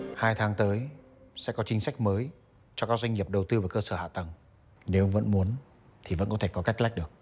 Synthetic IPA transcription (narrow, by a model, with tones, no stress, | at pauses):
haː˧jt̪ʰaː˨˦ŋt̪əː˨˦j | sɛ̰˧˥kɔ˨˦t͡ɕï˨˦ŋ̟sa˦˥jk̟̚məː˨˦j | t͡ɕɔ˧kaː˦˥k̚zwa˧ŋ̟ɲi˨˩əp̚ɗə˨˩wt̪ɨ˧vaː˨˩kəː˧səː˧˩ha̰ː˧˨t̪ə˨˩ŋ | ne˨˦wvə̰˧˥nmu˨˦ən | t̪ʰi˨˩və̰˧˥nkɔ˨˦t̪ʰe˧˩kɔ˨˦ka˦˥k̟̚la˦˥j̚ɗɨ˨˩ək̚